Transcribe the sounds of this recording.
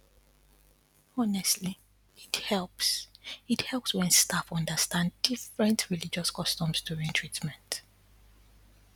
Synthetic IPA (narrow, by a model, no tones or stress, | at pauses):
ɔnɛstʰli | ithɛlpsithɛlpswɛ̃nstafɔ̃ndəstãnddifɹɛ̃ntʰɹilid͡ʒɔskɔstɔ̃msduɹĩntʰɹ̥itmɛ̃nt